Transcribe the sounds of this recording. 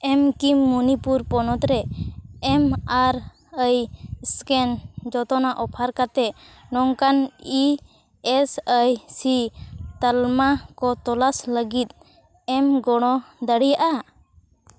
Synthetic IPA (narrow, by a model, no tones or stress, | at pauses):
ɛmkimːunipuɾpɔnɔt̪ɾɛɛmaɾ | əjskɛnd͡ʒɔt̪ɔnaʔɔpʰaɾkat̪ɛ | nɔŋkani | ɛsəjsit̪əlmakɔt̪ɔlasləɡit̪̚ | ɛmɡɔɽ̃ɔd̪əɽijaʔa